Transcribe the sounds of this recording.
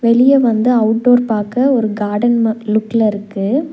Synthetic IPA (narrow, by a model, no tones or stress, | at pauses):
ʋɛɭɪjɐʋɐnd̪ɯɐʊʈ̚ɖoːɾpaːkɐɔɾɯɡaːɖɐnmlʊkːɪlɐɪɾɯkːɯ